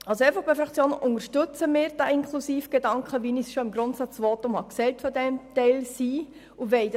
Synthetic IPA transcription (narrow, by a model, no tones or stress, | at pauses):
ɑlsoɛɪfɑχb̥ɛfɾɑkt͡sjoːnəʔʊŋəɾʃtʏt͡səmɪːɾd̥æɪŋkχlusiːfɡ̥edɑŋkχəʋinisʃoɪmɡɾʊntsɑt͡sʋoːtʊmhɑksɛltfɔdɛmtɛɪlsiː | uʋɛɪd